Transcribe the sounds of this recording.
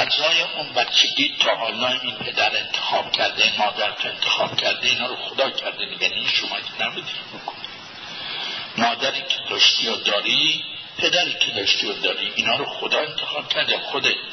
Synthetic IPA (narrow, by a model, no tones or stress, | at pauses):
ʔæzɒːjeʔunbæt̪t͡ʃʰːeɡʲiːt̪ʰɒːhɒːlɒːinpʰe̞d̪æɾe̞nt̪ʰe̥xɒːb̥cʲʰæɾd̪emɒːd̪æɾt̪ʰoent̪ʰexɒːb̥cʲʰæɾd̪eiːnɒːɾoxod̪ɒːkʰæɾd̪emiɡæniʃomɒt̪ʰenæbud̪imikʰo̥ne | mɒːd̪æɾiːkʲʰe̥d̪ɒːʃt̪iːod̪ɒːɾi | pʰed̪æɾiːkʰed̪ɒːʃt̪iːjod̪ɒːɾiːʔiːnɒːɾoxod̪ɒːe̞nt̪ʰexɒːb̥̚kʲʰæɾd̪exod̪et̪